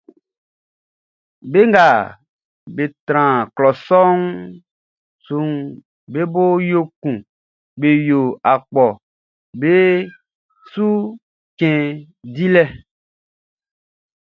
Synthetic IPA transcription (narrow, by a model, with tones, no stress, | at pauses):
be˦ŋɡa˨ | be˨t̪ɾ̃ã˨klɔ˨sɔ˦ŋ | su˨ŋ | be˦bo˦jo˦kũ˨ | be˨jo˨a˨k͡pɔ˨ | be˦ | su˦ | kɛ̃˨ | di˦lɛ˦